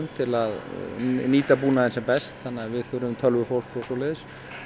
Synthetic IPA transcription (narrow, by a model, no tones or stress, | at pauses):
mt̪ʰɪlaðniːt̪apuːnaðɛnsɛmpɛst̪θanːaavɪðθʏɾʏmt̪ʰœlvʏfowl̥kɔsɔlɛːðs